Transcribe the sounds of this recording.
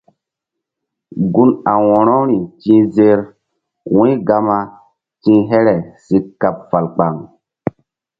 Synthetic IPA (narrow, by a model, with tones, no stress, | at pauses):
ɡu˦na˨wɔ̃˨ɾɔ̃˦ɾi˨tĩ˦ze˦ɾ | wũ˦jɡa˦ma˦ | tĩ˦ɦɛ˦ɾɛ˨si˦kːa˨p̚fa˨lk͡pa˨ŋ